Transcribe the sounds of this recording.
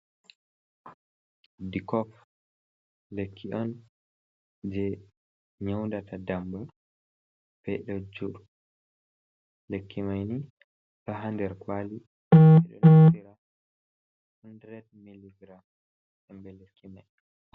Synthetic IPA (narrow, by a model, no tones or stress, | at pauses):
dikɔf | lekʰːiʔɔn | d͡ʒɛ | ɲawndatadambu | b̥ɛɗɔd͡ʒuɗu | lekʰːimajni | tɔɦandɛɾkwali | ɛɗɔ̰nsiɾa | hundɾɛt̚miliɡɾam | sɛmbɛlekʰːimaj